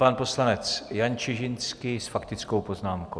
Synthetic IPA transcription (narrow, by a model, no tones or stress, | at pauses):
panpo̞slanɛt͡sjant͡ʃɪʒɪnskɪsfakt̪ɪt͡skowpo̞znaːmko